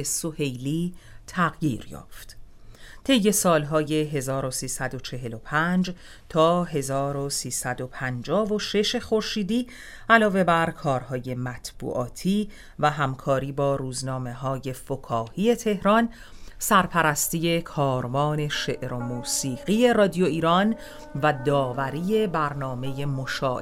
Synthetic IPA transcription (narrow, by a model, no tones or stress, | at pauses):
esohe̞jliːt̪ʰæɣjḭːɾjɒ̰ːft̪ | t̪ʰe̞jːe̞sɒːlɦɒːje̞ɦe̞zɒːɾo̞siːsæd̪o̞t͡ʃʰe̞ɦe̞lo̞pʰænd͡ʒ | t̪ʰɒːɦe̞zɒːɾo̞siːsæd̪o̞pʰænd͡ʒɒːvo̞ʃe̞ʃe̞xo̞ɾʃiːd̪iː | ælɒːve̞bæɾkʰɒːɾhɒːje̞mæt̪ʰb̥ṵːʔɒːt̪ʰiː | væɦæmkʰɒːɾiːbɒːɾuːznɒːme̞ɦɒːje̞fokʰɒːhiːe̞t̪ʰe̞hɾɒn | sæɾpʰæɾæst̪iːje̞kʰɒːɾvɒːne̞ʃe̞ʔɾo̞muːsiːɣie̞rɒːd̪ijo̞iːɾɒn | væd̪ɒːvæɾiːe̞bæɾnɒːme̞je̞moʃɒːʔ